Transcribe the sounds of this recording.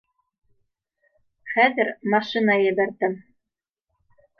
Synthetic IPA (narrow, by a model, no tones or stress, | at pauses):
χæðɘ̆ɾmɑʃinɑjɘ̆bæɾd̪ɘm